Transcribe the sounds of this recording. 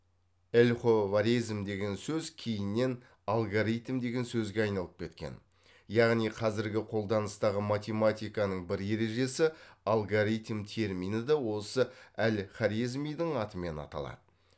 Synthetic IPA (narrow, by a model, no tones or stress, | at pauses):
elʲχovaɾijzmd̪e̞ɡʲe̞nsɵzkʲʰejɪnːe̞n | alˠɡoɾijt̪md̪e̞ɡʲe̞nsɵzɡʲeɑjnɑlˠəp̚kʲʰe̞t̪̚kʲe̞̰n | jɑʁnijqʰɑzɪɾɡʲɪqʰo̞lˠd̪ɑnəst̪ɑʁəmat̪ʲe̞mat̪ijkɑnəɴbɪɾje̞ɾe̞ʒe̞sɪalˠɡoɾijt̪mt̪ʰe̞ɾmijnəd̪ɑwo̞səælχaɾizmijd̪əɴɑt̪əme̞nɑ̰t̪ɑ̰lˠɑ̰d̪̥ə